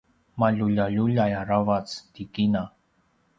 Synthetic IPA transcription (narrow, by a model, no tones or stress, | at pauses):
maʎuʎaʎuʎajaɾavat͡sd̪ikina